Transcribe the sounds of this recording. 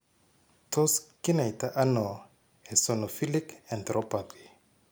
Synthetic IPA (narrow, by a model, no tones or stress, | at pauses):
tʰɔskinajtaʔanɔ | ɛsɔnɔfilikɛ̃nt̪ɾɔpati